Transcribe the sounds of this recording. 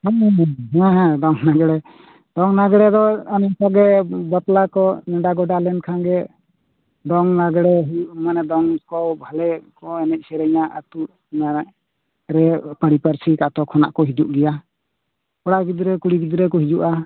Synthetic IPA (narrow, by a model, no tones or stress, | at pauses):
hɛɦɛ̃ɦɛ̃d̪ɔŋnaɡɛɽɛ | d̪̥ɔŋnaɡɛɽɛd̪ɔanikɔɡɛbaplakɔnɛɖaɡɔɖalɛnkʰanɡɛ | d̪ɔŋnaɡɛɽɛɦmanɛd̪ɔŋkɔbʱalɛkɔɛnɛc̚ˀsɛɾɛɲaʔat̪uʔ | ma | ɾɛpaɽipaɾsikat̪ɔkʰɔna̰ʔkɔɦid͡ʒuʔɡɛja | kɔɽaɡid̪uɾɛkuɽiɡid̪uɾɛkɔɦid͡ʒuʔa